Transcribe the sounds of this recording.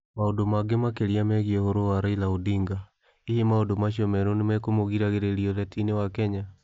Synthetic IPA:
maodomaɡemakeɾiamɛɣiɛhoɾowaɾailaodiŋɡa | ihemaondomaɕ̬ɔmɛɾonemɛkomoɣiɾaɣeɾeɾiɔlɛtinewakɛɲa

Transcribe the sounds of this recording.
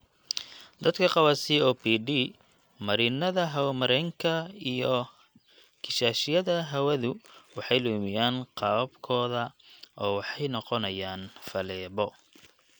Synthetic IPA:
d̪ɐd̪kʰɐqɑwasiːɔːpʰiːɖiː | mɐɾɪnɐðɐɦɐwmɐɾɛŋkʰɐijɔ | kʰɪʃaːʃɪjɐðɐɦɐwɐðʊwɑħɑjlɔːmɪjaːnqɑbkʰɔːðɐʔɔːwɑħɑjnɔqɔnɐjaːnfɐlɛːβɔ

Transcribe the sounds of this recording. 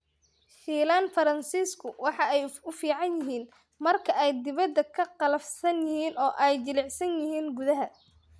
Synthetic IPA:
ʃiːlaːnfɐɾɐnsiːskʰʊwɑħɑɛjʊfiːʕɑnjɪɦiːn | mɐrkʰɐʔɛjd̪ɪβɐd̪ːɐkʰɐqɑlɐfsɐnjɪhiːnɔːʔɛjt͡ʃɪlɪʕsɐnjɪɦiːnɡʊðɐɦɐ

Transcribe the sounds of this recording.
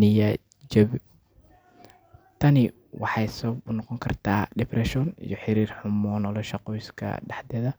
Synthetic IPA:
nɪjɐ | d͡ʒɐβ | t̪ʰɐnɪ | wɑħɑjsɔb̚ʊnɔqɔŋkʰɐrt̪ʰaːɖɛbrɛʃɔːnḭjɔħɪɾiːrħʊmɔːnɔlɔʃɑqɔːjskʰɐ̰ɖɑħd̪ɛðɐ

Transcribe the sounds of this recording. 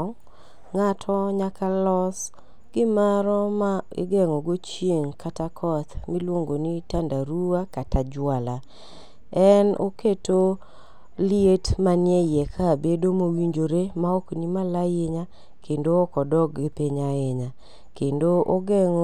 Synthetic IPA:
ŋatʰɔɲakʰalɔs | ɡ̥ɪmaɾɔmaɪ̰ɡɛŋɔɡot͡ʃjeŋkʰatakʰɔt̪milwoŋɡonitandaɾuakatad͡ʒwala | ɛno̰keto | lietmanjɛjɛkʰabedomowiɲd͡ʒoɾemaɔknimalajɪɲa | kʰendoːkɔdɔɡɡɪpeɲaeɲa | kendoʔoɡɛŋo

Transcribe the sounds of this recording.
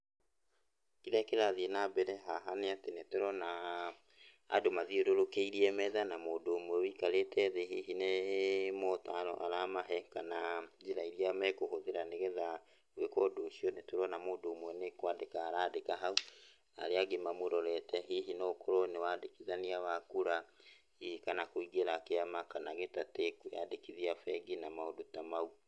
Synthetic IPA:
kiðɛkeɾaðienabɛɾɛɦaɦaneatenetoɾɔna | domaðioɾoɾokeiɾiɛmɛðanamoːdoːmwɛwikaɾetʰɛðeɦiɦinemotaɾɔ̰ʔaɾamaɦɛkanad͡ʒiɾaiɾiamɛkohoðeɾaneɣɛða | wekɔdoːʃiɔnetoɾɔnamoːdoːmwɛnekwadekaːɾaːdekaɦau | a̰ɾeaɡemamoɾɔɾɛtɛɦiɦinoːkoɾonewadekiðaniawakuɾa | ikanakoiɡeɾakeamakanaɣetatekuja̰dekiðiafɛɡinamaodotamau

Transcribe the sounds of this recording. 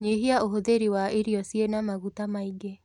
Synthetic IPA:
ɲeɦiaoɦoðeɾiwaʔeɾiɔsienamaɣutamaiɡe

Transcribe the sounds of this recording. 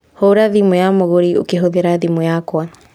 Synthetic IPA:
hoɾaðimujamoɣoɾio̰keɦoðeɾaðimujakwa

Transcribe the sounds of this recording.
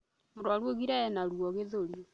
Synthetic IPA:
moɾwaɾwoɣiɾaɛnaɾwɔɣeðoɾjɔ

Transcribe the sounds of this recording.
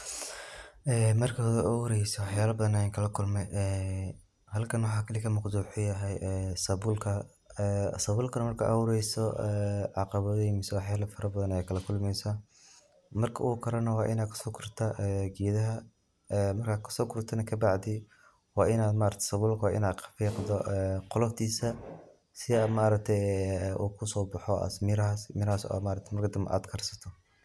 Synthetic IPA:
ʔɛːmɐrkʰɐɔwɾɛjsɔwɑħjaːlɐbɐðɐnɛjaŋkʰɐlɐkʰʊlmɛʔɛː | hɐlkʰɐnwɑħɑːkʰɐlikʰɐmʊqd̪uːħʊjɐɦɛjɛːsɐβʊlkʰɐ | sɐβʊːlkʰɐnɐmɐrkʰɐ̰ʔɐwʊɾɛjsɔʔɛːʕɑqɑβɐðɔjmɪsɔwɑħjaːlɐfɐɾɐbɐðɐnɛjkʰɐlɐkʰʊlmɛjsɐ | mɐrkʰɐʔukʰɐɾɐnɐwɑːʔɪnaːd̪kʰɐ̥sɔːkʰʊrt̪ʰɐʔɛɡiːðɐɦɐ | ɛmɐrkʰaːkʰɐ̥sɔːkʰʊrt̪ʰɐnɐkʰɐbɑʕd̪ɪ | wɑːɪnaːd̪maːɾɐt̪ʰsɐβʊlkʰwaʔɪ̰naːd̪qʰɐ̥fiːqd̪ɔʔɛqɔlɔft̪ʰiːsɐ | sɪɐmaːɾɐk̚t̪ʰɛjuːkʰʊsɔːbɐħɔʔɐ̰smɪɾɐɦɐsmɪɾɐhaːsɔ̰maːɾɐk̚t̪ʰɛmɐrkʰɐd̪ɐmʔa̰ːd̪kʰɐrsɐ̥t̪ʰɔ

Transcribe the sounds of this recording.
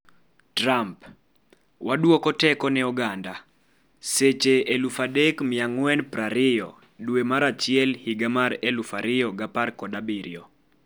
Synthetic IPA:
tramp | wadwokɔtɛkɔnɛɔɡanda | set͡ʃeːlufadekmɪaŋwɛnpɾaɾɪjɔ̰ | dwemaɾat͡ʃɪjɛlhiɡamaɾelufaɾɪjɔɡaparkɔdabiɾjɔ

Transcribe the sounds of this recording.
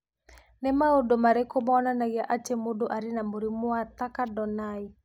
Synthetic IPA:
nemaodomaɾekobaɔnanaɣjaʔat͡ʃemodoʔaɾinamoɾimoat̪akadɔnai

